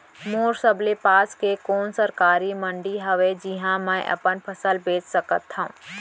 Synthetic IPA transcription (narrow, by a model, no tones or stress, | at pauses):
moːɾsəblepaːskekɔːnsəɾkaːɾimə̃ɳɖiɦɐʋed͡ʒiɦãmɛ̃ʔə̰pənpʰəsəlbeːt͡ʃsəkət̪ɦũː